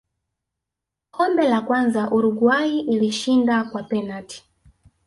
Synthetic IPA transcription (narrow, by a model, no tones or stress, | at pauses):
kʰɔmbɛlakwanzaʔuɾuɡwaiʔiliʃindakwapɛnati̥